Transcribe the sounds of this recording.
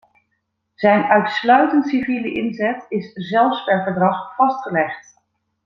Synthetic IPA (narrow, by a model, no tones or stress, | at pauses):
z̥ɛjnœɥtslœɥtəntsiviːləʔɪnzɛtɪszɛlˠfspɛɹvəɹdrɑχfɑstχəlɛχt